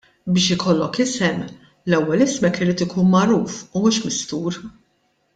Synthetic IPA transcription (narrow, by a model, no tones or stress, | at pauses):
bɪːʃɪkʰɔlːɔkɪsɛm | lɛwːɛlɪsmɛkːɪɾiːt̪ɪkʰuːnmɐɾuːfʊmuːʃmɪst̪uːɾ